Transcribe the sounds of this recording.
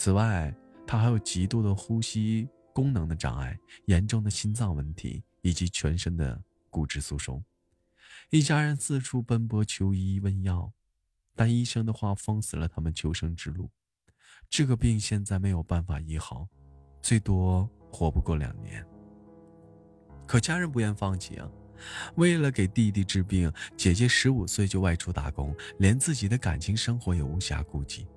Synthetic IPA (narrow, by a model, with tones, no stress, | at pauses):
t͡sʰɹ̩˨˩wa˥˩ɪt̪ʰa˥xa˧˥ɪjo˨˩ʊt͡ɕi˧˥t̪u˥d̪ə˨xu˥ɕi˥ | kʊ˥ŋnɤ˧˥ŋd̪ə˧ʈ͡ʂɑ̰˨˩ŋa̰˥˩ɪjɛ˧˥nʈ͡ʂʊ˥˩ŋd̪ə˩ɕi˥nt͡sɑ˥˩ŋwə˥˩nt̪ʰḭ˧˥ | i˨˩t͡ɕi˧˥t͡ɕʰɥɛ˧˥nʂə˥ŋd̪ə̰˧ | ku˨˩ʈ͡ʂɻ̩˥˩su˥˩ʂʊ̰˥ŋ | i˥˩t͡ɕja˥ɻə˧˥nsɹ̩˥˧ʈ͡ʂʰu˥pə˥npwɔ˧˥t͡ɕʰjo˧˥ʊi˥wə˥njɑ˥˩ʊ | t̪a˥˩ni˥ʂɤ˥ŋd̪ə˨˧xwa˥˩fɤ˥ŋsɹ̩˨˩lə˦t̪ʰa˥mə˨nt͡ɕʰjo˧˥ʊʂɤ˥ŋʈ͡ʂɻ̩˥lu˥˩ | ʈ͡ʂɤ˥˩ɡə˩pi˥˧ŋɕjɛ˥˧nt͡sa˥˩ɪme˧˥ɪjo˨˩ʊpa˥˩nfa̰˨˩i˥˩xɑ˥˩˦ʊt͡swe˥˩ɪt̪wɔ˥xwɔ˧˥pu˧kwɔ˥˩ljɑ̰˨˩ŋnjɛ̰˧˥n | kʰɤ˨˩t͡ɕja˥ɻə˧˥np̬u˧˥jɛ˥˧nfɑ˥˧ŋt͡ɕʰḭ˧˥ | we˥˩ɪlə˩ke˨˩ɪt̪i˥˧t̪i˥˩ʈ͡ʂɻ̩˥p̬i˥˩ŋt͡ɕjɛ˨˩t͡ɕjɛ˧˥ʂɻ̩˧˥u˨˩swe˥˩ɪt͡ɕjo˥˧wa˥˩ɪʈ͡ʂʰu˥t̪a̰˧˥˩kʊ˥ŋljɛ˧˥nt͡sɹ̩˥˩t͡ɕi˨˩d̪ə˦ka̰˨˩nt͡ɕʰi˧˥ŋʂɤ˥ŋxwɔ˧˥jɛ˨˩u˧˥ɕja̰˧˥ku˥˧t͡ɕi˥˩